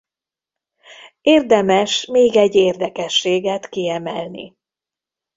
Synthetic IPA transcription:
eːrd̪ɛmɛʃmeːɡɛɟːeːrd̪ɛkɛʃːeːɡɛt̪kiɛmɛlnḭ

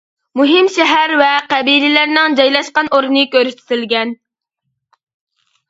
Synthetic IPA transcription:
muɦɪmʃɛɦæɾvɛqæbilɪlæɾnɪŋd͡ʒɑjlˠɑʃqɑnʔoɾnɨkʲøɾyʃt̪ʰɪ̥t̪ʰɪlɡʲɛn

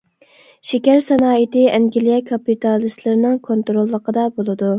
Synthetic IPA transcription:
ʃekʲæɾsɑnɑːit̪ɪɛŋɡʲilijɛkʰɑpːit̪ʰɑlˠɨst̪lˠɨɾɪnɨŋkʰont̪ɾolˠːəqʰəd̪ɑbolˠɨd̪u

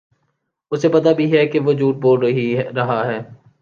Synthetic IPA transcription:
ʊsepɐt̪abʱiɦɛkeʋod͡ʒuːʈ̪̚boːlɾɐɦiɾɐɦaɦɛː

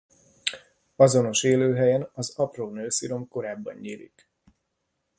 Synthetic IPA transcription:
ɒzo̞no̞ʃeːløːɦɛjɛnɒzɒproːnøːsiɾo̞mko̞ɾaːbːɒ̰ɲːiːɾḭk

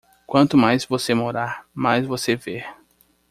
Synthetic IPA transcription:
kwɐ̃nt̪ʊmajzvosemoɾaɾmajzvoseveɾ

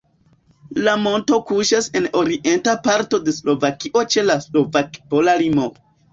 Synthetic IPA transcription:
lamo̞nto̞kuʃase̞no̞ɾiʔe̞ntapaɾto̞de̞slo̞vakiʔo̞t͡ʃe̞laslo̞vakpo̞lalimo

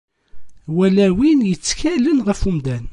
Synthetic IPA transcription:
wælæwinjət͡sːçælənʁəfumd̪æn

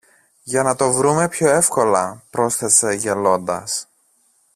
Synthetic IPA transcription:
ʝɐnɐt̪o̞vɾume̞pço̞e̞fko̞lɐpɾo̞sθe̞se̞ʝe̞lo̞nd̪ɐ̰s

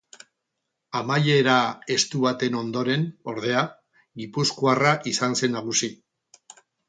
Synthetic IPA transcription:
amaje̞ɾae̞st̪uβat̪e̞no̞nd̪o̞ɾe̞no̞ɾð̞e̞a | ɡipuskuaraʔisanse̞nːaɣ̞usi

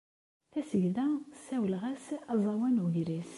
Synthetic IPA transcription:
θæsəʝðæsæwəlʁæsæzˤɑwænuʝɾis

